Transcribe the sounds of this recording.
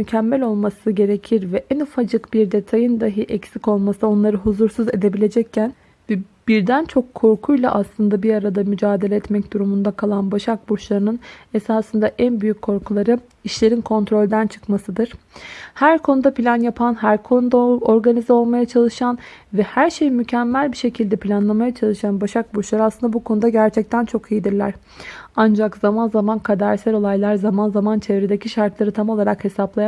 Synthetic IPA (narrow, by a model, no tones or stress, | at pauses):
mycʰɛmːɛlʲo̞lˠmasɯɟe̞ɾe̞cʰiɾvɛʔɛnufad͡ʒɯkbiɾd̪e̞t̪ʰajɯnd̪aɦɯʔɛcsico̞lˠmasɯo̞nlˠaɾɯɦuzuɾsuze̞d̪e̞bilʲe̞d͡ʒɛcʰːæn | vɛb̥iɾd̪ænt͡ʃʰo̞kʰːo̞ɾkʰujlˠa̰ʔaslˠɯnd̪abiaɾad̪amyd͡ʒaːd̪e̞lʲɛɛt̪mɛc̚d̪̥uɾumund̪akʰalˠanbaʃak̚buɾt͡ʃlˠaɾɯnɯnesaːsɯnd̪aʔænbyjycʰːo̞ɾkʰulˠaɾɯ | iʃlʲe̞ɾinkʰo̞nt̪ʰɾo̞lʲd̪ænt͡ʃʰɯ̥kmasɯd̪ɯɾ̥ | hæɾkʰo̞nud̪apʰilʲanjapʰanɦæɾkʰonud̪ao̞ɾɡanizɛo̞lˠmajat͡ʃʰalˠɯʃanvɛhæɾʃe̞jimycʰɛmːælʲbiʃe̞cʰilʲd̪ɛpʰlʲanlˠamajat͡ʃʰalˠɯʃanbaʃak̚buɾt͡ʃlˠaɾɯaslˠɯnd̪abukʰo̞nud̪aɟæɾt͡ʃʰɛc̚t̪ʰænt͡ʃʰo̞kʰijid̪iɾlʲæ̰ɾ̥ | and͡ʒakz̥amanzamankʰad̪aɾsæɾo̞lˠajlˠaɾzamanzamant͡ʃʰevɾed̪ecʰiʃaɾt̪lˠaɾɯt̪ʰamo̞lˠaɾakhe̞saplˠaja